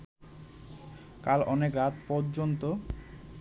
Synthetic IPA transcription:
kalɔnekɾat̪pɔɾd͡ʑont̪o

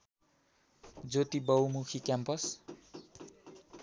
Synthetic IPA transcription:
d͡zot̪ibʌwmukʰikjampʌs

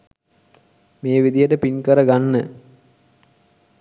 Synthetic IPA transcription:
meːʋid̪ijəʈəpinkəɾəɡanːə

